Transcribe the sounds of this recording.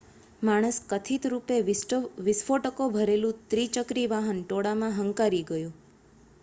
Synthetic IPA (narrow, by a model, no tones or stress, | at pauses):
maɽ̃əskət̪ʰit̪ɾupeʋɪsfoʈəkobʱəɾelũt̪ɾit͡ʃəkɾiʋaɦənʈoɽamãɦəŋkaɾiɡəjũ